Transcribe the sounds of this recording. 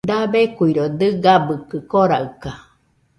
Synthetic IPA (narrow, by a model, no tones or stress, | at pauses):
d̪abekuiɾod̪ɨɡabɨkɨkoɾaɯka